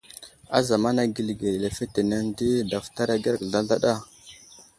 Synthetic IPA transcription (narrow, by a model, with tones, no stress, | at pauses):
a̰˦za˨ma˦na˦ɡi˨lɡe˨le˨fe˦te˨na˦n˦di˦da˨fta˦ɾa˦ɡe˦ɾɡɮa˦ɮa˦ɗa˦˨